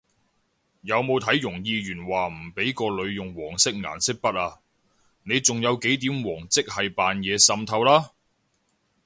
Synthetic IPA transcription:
jɐ˨˧wmo˨˧wt̪ʰɐ˨˥jjʊ˨˩ŋjiː˧jyː˨˩nwaː˨m̩˨˩pe˨˥jkɔː˧lɵ˨˧ɥjʊ˨ŋwɔː˨˩ŋsɪ˥k̚ŋa̰ː˨˩nsɪ˥k̚pɐ˥t̚aː˧ | ne˨˧jt͡sʊ˨ŋjɐ˨˧wke˨˥jt̪iː˨˥mwɔː˨˩ŋt͡sɪ˥k̚hɐ˨jpaː˨njɛː˨˧sɐ˧mt̪ʰɐ˧wlaː˥

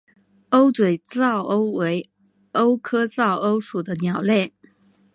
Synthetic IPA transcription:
o˥ʊt͡swe˨˩ɪt͡sɑ˥˩ʊʔo˥ʊwe˧˥ɪ | o˥ʊkʰɤ˥t͡sɑ˥˩ʊʔo˥ʊʂu˨˩d̪ə˦njɑ˨˩ʊlje˥˩

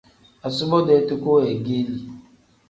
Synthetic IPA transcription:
a˨sʊ˦bɔ˦de˨˦tʊ˦ko˦e˨ɡe˦li˨

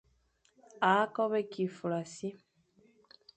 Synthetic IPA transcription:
a˨˦ko˦βe˦ki˨fu˨la˨si˦

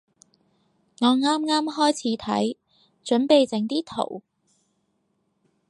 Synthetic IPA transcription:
ŋɔː˨˧ŋaː˥mŋaː˥mɦɔː˥jt͡sʰiː˨˥t̪ʰɐ̰˨˥j | t͡ʃɵ˨˥npe˨jt͡sɪ˨˥ŋt̪iː˥t̪ʰo̰˨˩w

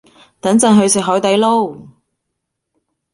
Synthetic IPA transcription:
t̪ɐ˨˥nt͡sɐ˨˥nɦɵ˨˧ɥsɪ˨k̚ɦɔː˨˥jt̪ɐ˨˥jlo˥w

